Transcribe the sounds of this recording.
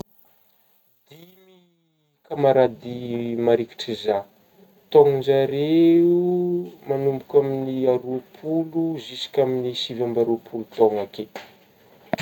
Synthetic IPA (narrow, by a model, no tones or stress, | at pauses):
d̪̥imi | kamaɾad̪imaɾiki̥ʈ͡ʂiza | t̪oŋund͡ʒaɾeumanumbukʲaminiaɾupʰuluzisi̥kʲaminisivambaɾupʰulut̪oŋake